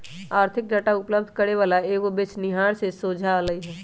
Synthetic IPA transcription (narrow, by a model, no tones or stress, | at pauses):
aːɾt̪ʰɪk̚ɖəʈaʊpləbd̪ʱkəɾeʋaːlaeːkobɪt͡ʃnɪɦaːɽsesoːd͡ʒʱaləiɦɛː